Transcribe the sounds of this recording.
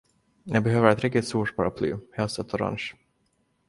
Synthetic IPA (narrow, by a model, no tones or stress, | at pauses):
jʔɑɡbɛɦøːvəɾɛt̪ɾɪkt̪ɪt̪st̪uːʈpʰaɾapʰly̰ːhɛlst̪ɛt̪ʰɔɾa̰nʃ